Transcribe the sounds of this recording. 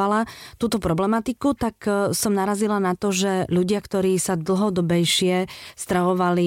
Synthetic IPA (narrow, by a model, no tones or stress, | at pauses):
alat̪uːt̪ɔpɾɔblɛmat̪ikut̪aksɔmnaɾazilanat̪ɔʒɛʎuɟɪakt̪ɔɾiːsad̪l̩ˠɦɔd̪ɔbɛjʃɪɛst̪ɾaʋɔʋali